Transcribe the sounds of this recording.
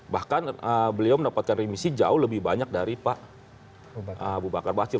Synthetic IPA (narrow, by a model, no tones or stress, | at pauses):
bahkanəbəliawməndapat̪̚kanrimisid͡ʒa̰ʊhləbɪhbaɲak̚daɾipaʔ | ʔəabubakarbaat͡ʃɪ